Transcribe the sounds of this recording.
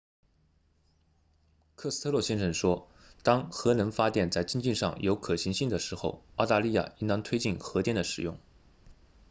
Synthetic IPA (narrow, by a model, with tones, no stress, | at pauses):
kʰɤ˥˩s̩˥t̪ʰɤ˥lwɔ˥˩ɕjɛ˥nʂə˥˩ŋʂwɔ˥ | t̪ɑ˥ŋxɤ˧˥nə˧˥nfa˥t̪jɛ˥˩nt͡sa˥˩ɪt͡ɕi˥ŋt͡ɕi˥˧nʂɑ̰˥˩ŋjo˧˥ʊkʰɤ˨˩ɕi˧˥ŋɕi˥˩ŋd̪ə˩ʂɻ̩˧˥xo˥˧ʊɑ˥˧ʊt̪a˥˧li˥˧ja̰˥˩i˥nɑ˥ŋt̪ʰwe˥ɪt͡ɕi˥˩nxɤ˧˥t̪jɛ˥˩nd̪ə˩ʂɻ̩˨˩jʊ˥˩ŋ